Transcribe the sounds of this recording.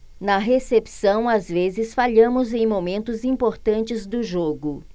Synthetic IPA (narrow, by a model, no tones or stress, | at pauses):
nɐɦesepsɐ̃w̃azvezɪsfaʎɐ̃mʊzẽj̃momẽnt̪ʊzĩpoɾt̪ɐ̃nt͡ʃɪzd̪ʊʒoɡʊ